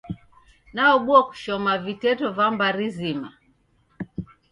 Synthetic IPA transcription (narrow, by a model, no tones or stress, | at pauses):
naɔɓuaku̥ʃɔmavitɛtɔvambaɾizima